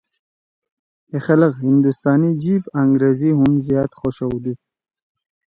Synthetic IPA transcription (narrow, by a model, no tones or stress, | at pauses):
hexaləqhɪnd̪ust̪ɑːnid͡ʒibaŋɡɾeziɦʊmzjɑt̪xoʃowd̪u